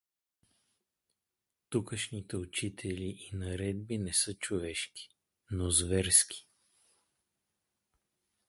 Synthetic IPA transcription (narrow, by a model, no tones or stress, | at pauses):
t̪ukəʃnit̪ɛʊt͡ʃit̪ʰɛliʔinɐɾɛd̪̚binɛsɤt͡ʃʊvɛʃki̥ | nozvɛɾskʰi̥